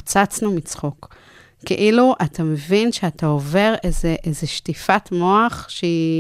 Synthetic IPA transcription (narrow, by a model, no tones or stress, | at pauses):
t͡sat͡snumit͡sχokː | ḛʔiluʔatʰame̞vinʃeatao̞ve̞ʁezeʔezeʃtifatmo̞aχʃei